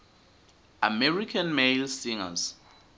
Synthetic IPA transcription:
amɛɹikʰanmelsiŋa̰z

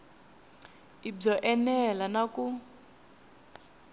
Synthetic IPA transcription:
ib͡ʐɔʔɛnɛlanaku

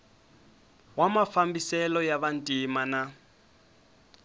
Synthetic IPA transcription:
wamafambisɛlɔjaβan̩tʼimana

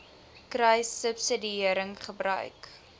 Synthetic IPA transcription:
krɛjsəpsədiiəɾəŋχəbɾœ̰ɥk

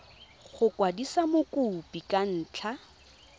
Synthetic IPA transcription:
ɣʊkwadisamokʼupʼikʼan̩ːt͡ɬʰa

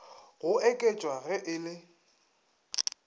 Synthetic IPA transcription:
ɣʊɛkʼet͡ʃʼwaɣɛʔɪlɪ

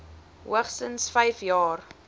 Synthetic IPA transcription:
ɦuəχstənsfɐjfjɑːr

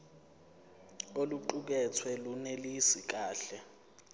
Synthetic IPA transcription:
oluǃuk̬ɛt͡sʰwɛlunelisik̬aːɬɛ

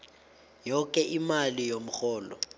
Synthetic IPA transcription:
jɔkʼɛʔimalijom̩xɔːlɔ̰

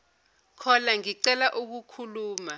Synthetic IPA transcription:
kʰɔlaŋiǀɛlaʔuk̬ukʰuluːma

